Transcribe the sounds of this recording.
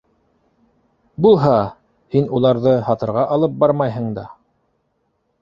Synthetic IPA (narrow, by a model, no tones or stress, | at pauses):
bulˠɦɑ | hinulˠɑɾðɤhɑt̪ɤ̆ɾʁɑʔɑlˠɤp̚bɑɾmɑjɦɤ̆ɴd̪ɑ̰